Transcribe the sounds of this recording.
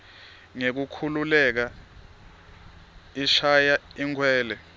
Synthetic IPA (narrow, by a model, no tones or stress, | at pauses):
ŋek̬ukʰululɛk̬a | iʃajaiŋkʰwɛːlɛ